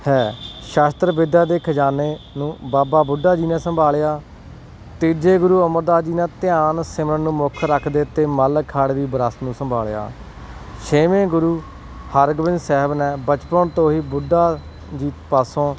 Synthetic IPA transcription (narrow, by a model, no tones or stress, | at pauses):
hɛːʃaːst̪ɾʋɪd̪jaːd̪eːkʰəd͡ʒaːneːnũːbaːbaːbʊɖːaːd͡ʒiːnɛːsəmbʱaːlejaː | t̪iːd͡ʒeːɡʊɾuːəməɾd̪aːd͡ʒiːnɛ̃ːt̪ɪjaːnsɪmnənũːmokʰɾəkʰd̪eːt̪eːməlkʰːaːɽʋiːbəɾəst̪nũːsəmbʱa̰ːlja̰ː | ʃeːmẽːɡʊɾuː | həɾɡʋɪ̃nd͡ʒsɛːɦbnɛ̃ːbət͡ʃpəːnt̪õːɦiːbʊɖaː | d͡ʒiːt̪paːsõː